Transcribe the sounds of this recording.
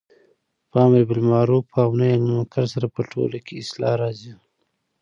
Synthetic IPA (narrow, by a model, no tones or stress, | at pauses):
pɑːmɾebɪlmɑːɾopʰɑːwnajanimakaɾsaɾapəʈʰo̰lakeɪslɑɾɑzi